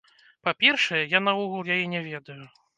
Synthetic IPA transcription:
papʲɛrʂɐjɛjanauɣurjajɛnʲɛvʲɛd̪ɐju

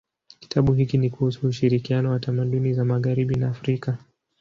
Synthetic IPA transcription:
ki̥tʰaɓuɦikinikuhusuːʃiɾikianɔwatamaɗunizamaɣaɾiɓinaːfɾika

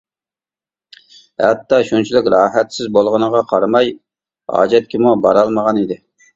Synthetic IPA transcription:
hɛt̪ːɑʃunt͡ʃʰilɪkʲɾɑːɦɛt̪sɪzbolˠʁənəʁɑqʰɑɾmɑj | hɑ̰ːd͡ʒɛt̪̚kʲʰimubɑ̰ɾɑlˠməʁɑnid̪ɪ

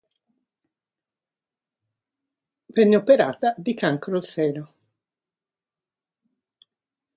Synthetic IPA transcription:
vɛnːeopeɾa̰ːt̪ad̪ikaŋkɾolsɛːlo

